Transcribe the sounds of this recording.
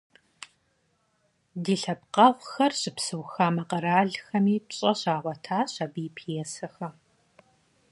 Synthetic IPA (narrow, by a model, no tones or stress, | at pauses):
diːɬɐp̚qɐʁʷxɐrɕɪpsɨwxaːmɐqɐɾaːɮxɐmiːpɕʼɐɕaːʁʷɔtʰaːɕɐbijɪpʰijɛsɐxɐ